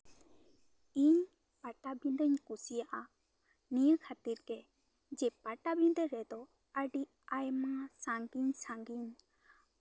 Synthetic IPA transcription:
iɲ | paʈabind̪əɲkusijaʔa | nijəkʰat̪iɾkɛ | d͡ʒɛpaʈabind̪əɾɛd̪ɔ | əɖiʔ | ajmasaŋɡiɲsaŋɡiɲ

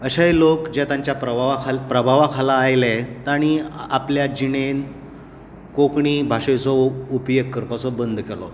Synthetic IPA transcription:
əɕajlokd͡ʑɛt̪aɲt͡ɕjapɾəaʋakapɾəbʱaʋakʰalaːjlɛt̪aɽ̃iapljad͡ʑiɽen | kokɳiːbʱaʂẽt͡sɔupjekkːəɾpat͡sɔbənd̪ʱkɛlɔ̰

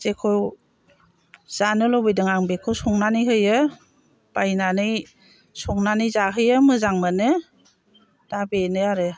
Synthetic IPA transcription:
zekʰɔw | z̥anɯlɔbɯjdɯŋaŋbekʰɯwsɔŋnanɯjɦɯjɯ | b̥ajnanɯj | sɔŋnanɯjzaɦɯjɯmɯzaŋmanɯ | d̥abenɯaɾɯ

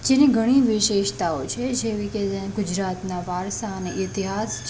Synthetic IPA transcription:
d͡ʒeniɡʱəɽ̃ĩʋɪʃeʃt̪aot͡ʃʰed͡ʒeʋiked͡ʒeɡʊd͡ʒɾat̪naʋaɾʃaəneʔɪt̪iɦast͡ʃ

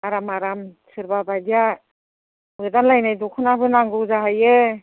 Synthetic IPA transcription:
aɾamaɾamsɯɾbabadija | mɯdanlajnajdɔkʰɯnabɯnaŋɡɯzaɦaje

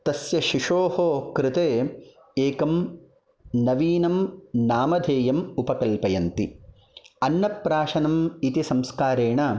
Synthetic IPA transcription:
t̪ɐsjɐʃiʂoːɦoːkɾɪt̪eː | eːkɐm | nɐʋiːnɐmnaːmɐd̪ʱeːjɐmupɐkɐlpɐjɐnt̪i | ɐnːɐpɾaːʂɐnɐmit̪isɐmskaːɾeːɳɐ

